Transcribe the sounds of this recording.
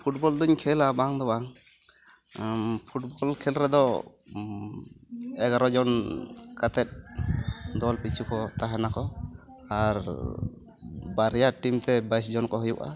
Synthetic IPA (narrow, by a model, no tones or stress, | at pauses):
pʰuʈbɔld̪uɲkʰɛlabaŋd̪ɔbaŋ | pʰuʈ̚bɔlkʰɛlɾɛd̪ɔ | ɛɡaɾɔd͡ʒɔnkat̪ɛt̪̚ | d̪ɔlpit͡ʃʰukɔt̪aɦɛnakɔ | aɾ | baɾɛjaʈimt̪ɛbajs̬d͡ʒɔnkɔɦujuʔa̰